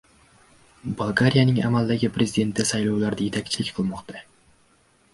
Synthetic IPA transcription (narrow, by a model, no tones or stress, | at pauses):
balˠɡaɾijanɪŋa̰malˠd̪aɡʲɪpʰɾe̞zid̪e̞nt̪ːɪsajlɒwlaɾd̪aje̞t̪ʰakʲt͡ʃʰɪlɪkʲqʰɨlˠmɒqt̪ʰa